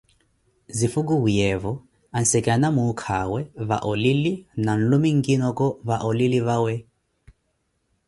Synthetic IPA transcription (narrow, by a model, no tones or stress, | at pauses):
zifukuujɛvɔ | an̩sɛkʼanamukʰawɛβa̰ʔɔlilinan̩lumiŋɡinɔkɔβaʔɔliliβawɛ